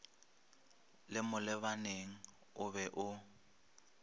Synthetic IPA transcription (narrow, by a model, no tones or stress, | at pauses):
lɪmʊlɪbaneŋ̩ | ʊbɛʔʊ